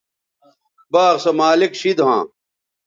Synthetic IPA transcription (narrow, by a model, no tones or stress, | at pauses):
baːʁsɐmaːlikɕid̪ɦã̰ː